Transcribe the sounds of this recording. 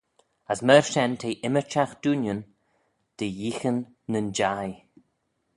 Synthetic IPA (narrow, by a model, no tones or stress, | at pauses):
asməɹʃɛnt̪ʰeːʔɪmət͡ʃaxd̪̥uːnjən | d̪̥ejiːxənː | ənd͡ʒaj